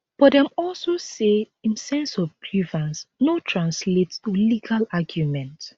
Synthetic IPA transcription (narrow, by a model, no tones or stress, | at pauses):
b̥ɔtdɛ̃mɔlsose | ĩnsɛ̃nsɔvpʰɹivãnsnotʰɹãnslettuliɡalaɡjumɛ̃nt